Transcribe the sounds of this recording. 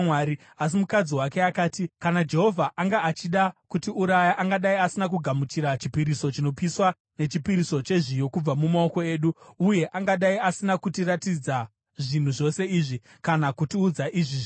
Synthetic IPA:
waɾi | as̬imukad͡ziwake̞akaːtikanad͡ʒe̞ɦo̞vʱaʔaŋɡaːt͡ʃiɗakutiuɾajaʔaŋɡaɗaiasinak̬uɡʱamutiɾat͡ʃipiɾiso̞t͡ʃino̞piswa | ne̞t͡ʃipiɾiso̞t͡ʃe̞ʐijo̞kub͡vamumao̞ko̞e̞ːɗuuje̞ʔaŋɡaɗaiasinakutiratid͡za | ʐin̤uʐo̞se̞iːʐi | kanakutiud͡zaʔiʐiʐi

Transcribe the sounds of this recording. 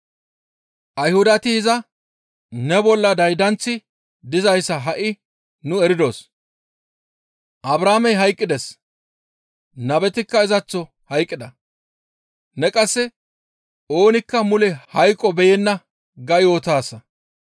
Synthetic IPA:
ʔɐjhʊd̪ɐt̪ɪɪzɐ | nɛbɔlːɐd̪ɐjd̪ɐnt͡sːɪ | d̪ɪzɐjsːɐɦɐʔɪ | nʊɛɾɪd̪o̞ːs | ʔɐbɾaːmɛjɦɐjkʼːɪd̪ɛs | nɐbɛt̪ɪkːɐɪzɐt͡sːɔ | hɐjkʼːɪd̪ɐ | nɛkʼɐsːɛ | o̞ːnɪkːɐmʊlɛhɐjkʼːɔbɛjɛnːɐ | ɡɐjoːt̪aːsːɐ

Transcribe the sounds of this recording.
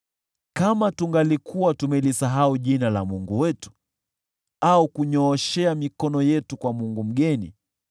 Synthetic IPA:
kamatuŋɡalikʰuwatumɛlisaɦauʄinala̰muŋɡuwɛtu̥ | aukuɲɔːʃɛamikɔnɔjɛtukwamuŋɡum̩ɠɛnḭ

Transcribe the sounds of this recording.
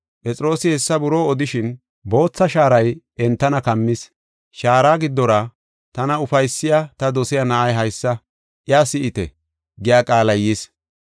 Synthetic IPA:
pʼɛt͡sʼɪɾo̞ːsɪhɛsːɐbʊɾo̞ːɔd̪ɪʃɪn | bo̞ːt͡sːɐʃaːɾɐj | ɛnt̪ːɐnɐkɐmːɪs | ʃaːɾaːɡɪd̪ːɔɾɐ | t̪ɐnɐʊfɐjsːɪjat̪ɐd̪ɔsɪjɐnɐʔɐjɦɐjsːɐ | ʔjaːsɪɪt̪ɛ̰ | ɡɪjaːkʼaːlɐjis

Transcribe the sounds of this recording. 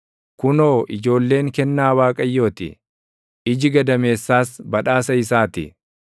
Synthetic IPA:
kʊno̞ːʔɪd͡ʒo̞ːlːe̞ːŋkɛnːaːwaːkʼɐjːo̞ːt̪ɪ̰ | ʔɪd͡ʒɪɡɐd̪ɐme̞ːsːaːsbɐᶑaːsɐɪs̬aːt̪ɪ̰

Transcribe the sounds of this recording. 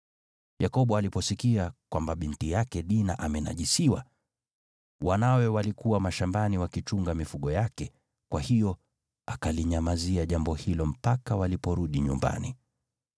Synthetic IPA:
jakɔɓɔalipɔsikiakwambaɓintijakɛɗinaʔamɛna̰ʄisiwa̰ | wanawɛwalikuwamaʃambaniwakit͡ʃuŋɡamifuɠɔjakɛ | kwahijɔ | akaliɲamaziaʄambɔhilɔm̩pakawalipɔɾuɗiɲṵmba̰ni

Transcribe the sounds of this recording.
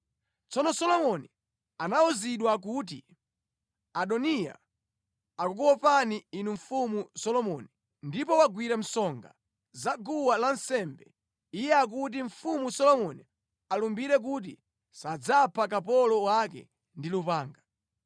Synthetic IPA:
t͡sɔnɔsɔlɔmɔni | anauziɗwak̬ut̬ḭ | aɗɔnija̰ | akuk̬uwɔpaniinuɱ̩fumusɔlɔmɔni | ndipɔwaɡwiɾam̩sɔŋɡa̰ | zaɡuwalansɛːmbɛ̰ | ijɛak̬ut̬iɱ̩fumusɔlɔmɔni | alumbiɾɛk̬ut̬ḭ | sad͡zapʰak̬apɔlɔwakɛ̰ | ndilupaːŋɡa

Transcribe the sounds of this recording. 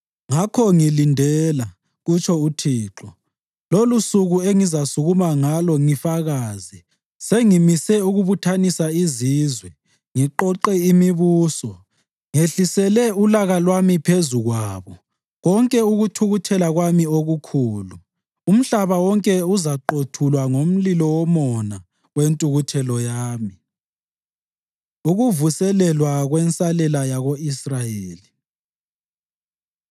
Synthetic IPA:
ŋakʰɔŋilindʱɛːla | ɣut͡ʃʰʼɔutʰiːǁɔ | lolusuɣueŋizasuɣumaŋalɔŋifaɣaːzi | seŋimisɛuɣuβutʰanisaiziːzwɛ | ŋiǃɔǃɛimiβuːsɔ | ŋeɬisɛlɛulaɣalwamipʰezuɣwaːβɔ | ɣɔŋkʼɛuɣutʰuɣutʰɛlaɣwamioɣukʰuːlu | um̩ɬaβawɔŋkʼɛuzaǃotʰulwaŋom̩lilɔwɔmɔna | wentʼuɣutʰɛlɔjaːmi | uɣuvusɛlɛlwaɣwɛnsʼalɛlajaɣoisrajeːli

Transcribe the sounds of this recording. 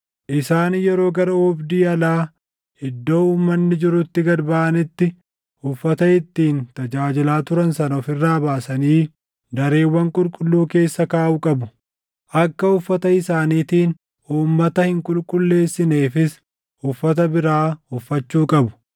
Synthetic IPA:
ʔɪsaːnjɛɾo̞ːɡɐɾɐɔbd̪iːɐlaː | ɪd̪ːo̞ːuːmːɐnːɪd͡ʒɪɾʊt̪ːɪɡɐd̪baːʔɐnɪt̪ːɪ | ʊfːɐt̪ɐɪt̪ːiːnt̪ɐd͡ʒaːd͡ʒɪlaːt̪ʊɾɐnsɐnɐɔfɪrːaːbaːsɐniː | d̪ɐɾe̞ːwːɐŋkʼʊlkʼʊlːuːke̞ːsːɐkaːʔuːkʼɐbʊ | ʔɐkːɐʊfːɐt̪ɐɪsaːniːt̪iːn | uːmːɐt̪ɐhɪŋkʼʊlkʼʊlːe̞ːsːɪne̞ːfɪs | ʊfːɐt̪ɐbɪɾaːʊfːɐt͡ʃːuːkʼɐbʊ̥

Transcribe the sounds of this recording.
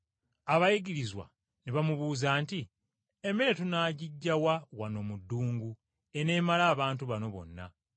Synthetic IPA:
aβajiɡiɾizwa̰ | niβamuβuːzaːnti | emeɾe̞tunaːɟiɟːawawano̞mudːuːŋɡu | ene̞ːmalaːβaːntuβano̞βo̞̰nːa̰

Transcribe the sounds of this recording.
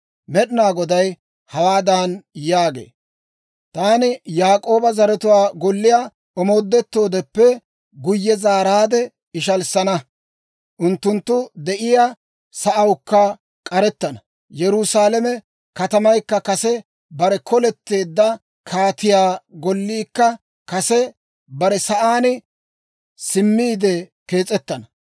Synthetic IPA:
mɛɗnaːɡɔd̪ɐj | hɐwaːd̪anjaːɡḛː | t̪aːnɪjaːkʼo̞ːbɐzɐɾɛt̪ʊwaːɡɔlːɪja | ɔmo̞ːd̪ːɛt̪ːo̞ːd̪ɛpːɛ | ɡʊjːɛzaːɾaːd̪ɛ | ɪʃɐlsɐnɐ | ʔʊnt̪ːʊnt̪ːʊd̪ɛʔɪja | sɐʔɐwkːɐ | kʼɐɾɛt̪ːɐnɐ | jɛɾʊsaːlɐmɛ | kɐt̪ɐmɐjkːɐkɐsɛ | bɐɾɛkʰɔlɛt̪ːe̞ːd̪ːɐ | kʰaːt̪ɪjaːɡɔlːiːkːɐ | kɐsɛ | bɐɾɛsɐʔaːnɪ | sɪmːiːd̪ɛke̞ːt͡sʼɛt̪ːɐnɐ

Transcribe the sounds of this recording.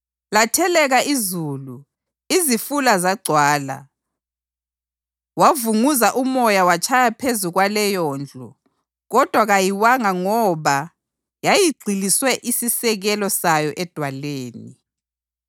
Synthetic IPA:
latʰɛlɛɣaʔizuːlu | izifulazaɡ͡ǀʱwaːla̰ | wavuŋuzaʔumɔjawat͡ʃʼʰajapʰezuɣwalɛjɔːnd͡ɮʱɔ̰ | ɣɔd̥ʱwaɣajiwaŋaŋɔβa | jajiɡ͡ǀʱiliswɛʔisisɛɣɛlɔsajɔʔɛd̥ʱwaleːni

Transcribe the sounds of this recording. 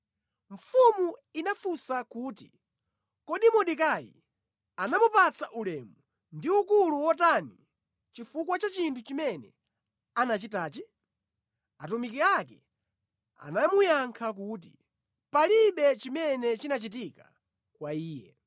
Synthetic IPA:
ɱ̩fumuinafusakuːti | kɔɗimɔɗik̬ajḭ | anamupat͡saʔulɛmu | ndiukuluwɔtani | t͡ʃifukwat͡ʃat͡ʃintʰut͡ʃimɛnɛ̰ | anat͡ʃitaːt͡ʃi | atumikiakɛ | a̰namujaŋkʰak̬uːt̬ḭ | paliɓɛt͡ʃimɛnɛt͡ʃinat͡ʃit̬ika | kwaiːjɛ̰

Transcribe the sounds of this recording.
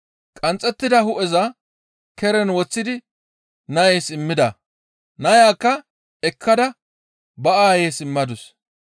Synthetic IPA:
kʼɐnt͡sʼːɛt̪ːɪd̪ɐhʊʔɛzɐ | kɛɾɛnwɔt͡sːɪd̪ɪ | nɐjeːsɪmːɪd̪ɐ | nɐjaːkːɐ | ɛkʰːɐd̪ɐ | bɐʔaːjeːsɪmːɐd̪ʊs

